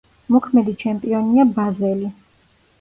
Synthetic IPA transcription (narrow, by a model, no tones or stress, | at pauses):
mɔkʰmɛd̪it͡ʃʰɛmpʼiɔniabazɛli